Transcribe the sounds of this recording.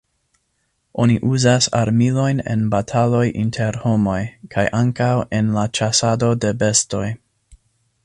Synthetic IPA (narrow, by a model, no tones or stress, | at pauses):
ʔo̞niʔuzasa̰ɾmilo̞jne̞̰nbatʰalo̞jʔḭntʰe̞ɾho̞mo̞jkʰajʔaŋkawe̞nlat͡ʃasado̞de̞be̞sto̞j